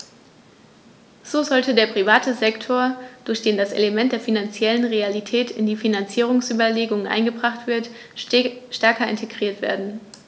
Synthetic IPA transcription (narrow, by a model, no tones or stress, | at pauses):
z̥oːzɔltədeːɐpʁ̥ivaːtəzɛktʰoːɐd̥ʊɐçd̥eːndasḛləmɛnt̚d̥eːɐfinant͡sjɛlənʁealitʰɛːtʰɪ̰ndiːfinant͡siːʁ̞ʊŋsʔyːbɐleːɡʊŋənʔa̰ɪnɡəbʁaχtv̥ɪɐt | ʃtɛɐkɐɪ̰ntʰeɡʁiːɐtv̥ḛːɐdn̩